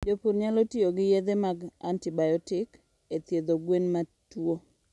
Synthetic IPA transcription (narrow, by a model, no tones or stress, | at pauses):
d͡ʒopuɾɲalotioɡɪjed̪emaɡa̰ntɪbajɔtɪk | et̪jed̪oɡwenmatwo